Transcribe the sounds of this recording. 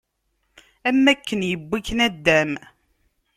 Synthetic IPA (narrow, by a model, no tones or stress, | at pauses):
æmːækːənjəbːikːnæd̪ːæm